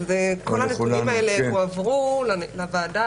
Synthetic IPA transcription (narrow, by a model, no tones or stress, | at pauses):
zeko̞lhanetunimaeleuavʁullavaːda